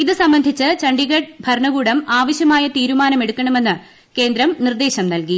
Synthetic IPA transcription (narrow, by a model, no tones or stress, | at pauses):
iðɨsɐmbɐnd̪ʱit͡ɕːɨt͡ɕɐɳɖiɣɐʈ̚bʱɐɾɳɐɣuːɽɐmaːʋɐɕjɐmaːjɐt̪iːɾumaːnɐme̞ɽukːɐɳɐme̞nːɨ | ke̞ːnd̪ɾɐmnird̪e̞ːɕɐmnɐlki